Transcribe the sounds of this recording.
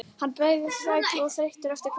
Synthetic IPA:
hanːpɛɣðɪsvajtɔθɾeht̪ʏɾɛft̪ɪɾ̥kʰ

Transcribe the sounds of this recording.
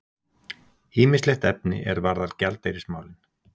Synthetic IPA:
hiːmɪslext̪ɛp̚nɪ̰ʔɛɾvaɾðalcalt̪ejɾɪsma̰ːwlɪn

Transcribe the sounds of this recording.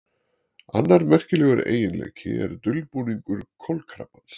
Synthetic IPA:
a̰nːaɾmɛr̥cɪlɛːɣʏɾḛːjɪnlḛːjcʰɪɛ̰ɾt̪ʏlpuːniŋkʏɾkʰɔlkʰɾa̰pans

